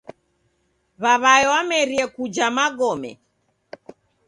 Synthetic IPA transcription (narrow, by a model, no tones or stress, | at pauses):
βaβaɛwamɛɾiɛkud͡ʒamaɡɔmɛ̰